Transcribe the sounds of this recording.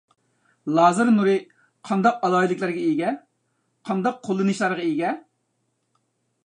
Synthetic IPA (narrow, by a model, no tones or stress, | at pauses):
lˠɑːzɨɾnuɾɨ | qʰɑnd̪ɑq̚ɑlˠɑːjilˠɪkʲlˠæɾɡʲɛiɡʲɛ | qʰɑnd̪ɑqʰːolˠːɨnɨʃlˠɑɾʁɑiɡʲɛ